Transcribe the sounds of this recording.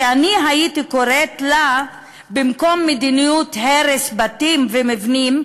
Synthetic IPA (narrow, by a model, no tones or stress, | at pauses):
aniɦaitikoɾet̪la | bimko̞mːed̪inijut̪heɾesbatimvemivnim